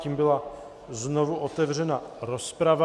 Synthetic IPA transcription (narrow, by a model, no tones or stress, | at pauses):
ciːmbɪla | znovuʔot̪ɛvr̝ɛnaɾo̞spɾava